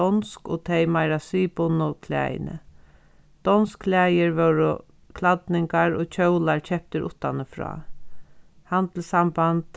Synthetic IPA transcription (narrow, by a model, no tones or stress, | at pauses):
ɔnskot̪ʰejmaɪɾasiːpʊnʊkʰlæ̰ːj̰nə̰ | d̪̥ɔnskʰlæːjəɹʋœwɾʊ̰ | kʰlad̪nɪŋkaɹoːt͡ɕʰœwlaɹcɛp̚t̪əɾʔʊ̰t̪ːanəfɹɔ̰ː | hant̪l̩sambant̪